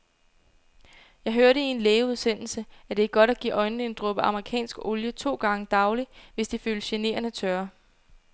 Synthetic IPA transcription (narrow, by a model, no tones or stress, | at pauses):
jɑ̈ɪɦøɐɾəie̝nleːuð̞ˠsen̰l̩səæd̥e̝æɡ̥ɒ̽ɾ̥æɡ̥ḭːʔɒ̽ɪnn̩e̝nd̥ʁɔ̽b̥əɑ̈məʁikʰɛ̰ːnsɡ̥oljət͡sʰo̝̰ːɡ̥ɑ̈ŋəd̥ɑ̈ʊliʋe̝sd̥iføːləɕe̝ne̝̰ɐnət͡sʰɶɐ